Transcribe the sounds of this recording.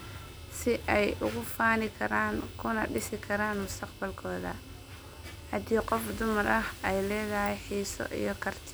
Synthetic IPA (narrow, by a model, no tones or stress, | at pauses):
sɪʔɛjʔʊɣʊfaːnɪkʰɐɾaːŋkʰʊnɐɖɪsɪkʰɐɾaːnmʊst̪ʰɐqbɐlkʰɔːðɐ̰ | hɐd̪iːqɔfd̪ʊmɐrɐhɛjlɛːðɐhɛjħiːsɔ̰ʔḭjɞkʰɐrt̪ʰɪ